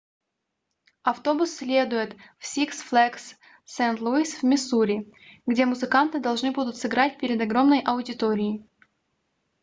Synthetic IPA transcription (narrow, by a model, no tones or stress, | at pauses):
ɐft̪o̞bʊsːʲlʲe̞d̪ʊjɪt̪fsʲiksflˠɛksː | ɛnt̪lˠuisvʲmʲɪsuɾʲɪɡdʲe̞mʊzɨkant̪ɨd̪ɐlˠʐnɨbud̪ʊt̪sɨɡɾat̚ʲpʲɪɾʲɪd̪ɐɡɾo̞mnəjʔɐʊdʲɪt̪oɾʲɪɪ